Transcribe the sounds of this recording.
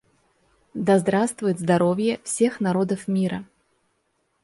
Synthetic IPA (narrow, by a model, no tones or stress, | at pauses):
d̪azd̪ɾast̪vʊjɪt̪zd̪aɾɔvʲjɛfsʲexnaɾɔd̪əfmʲiɾɐ